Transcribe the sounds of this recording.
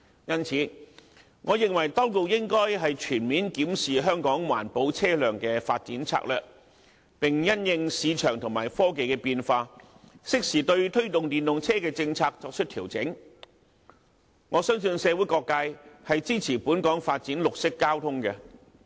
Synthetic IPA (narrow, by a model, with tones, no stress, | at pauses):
jɐ˥nt͡sʰiː˨˧˥ | ŋɔː˨˧jɪ˨ŋwɐ˨˩jt̪ɔ˥wko˧wjɪ˥ŋkɔː˥jɦɐ˨jt͡ʃʰyː˨˩nmiː˨˥nkiː˨˥msiː˨ɦœː˥ŋkɔː˨˥ŋwa̰ː˨˩npo˨˥wt͡sʰɛː˥lœː˨ŋkɛː˧faː˧t̚t͡siː˨˥nt͡sʰa̰ː˧k̚lœ̰ː˨k̚ | pɪ˨ŋjɐ˥njɪ˧ŋsiː˨˧t͡ʃʰœː˨˩ŋt̪ʰʊ˨˩ŋmaː˨˩jfɔː˥ke˨jkɛː˧piː˧nfaː˧ | sɪ˥k̚siː˨t̪ɵ˧ɥt̪ʰɵ˥ɥt̪ʊ˨ŋt̪iː˨˩nlʊ˨ŋt͡sʰɛː˥kɛː˧t͡sɪ˧ŋt͡sʰaː˧k̚t͡sɔː˧k̚t͡ʃʰɵ˥t̪ʰiː˨˩wt͡sɪ˨˥ŋ | ŋɔː˨˧sœː˥ŋsɵ˧nsɛː˨˧wu˨˥jkɔː˧kːaː˧jhɐ˨jt͡siː˥t͡sʰiː˨˩puː˨˥nkɔː˨˥ŋfaː˧t̚t͡siː˨˥nlʊ˨k̚sɪ˥kːaː˥wt̪ʰʊ˥ŋkɛ˧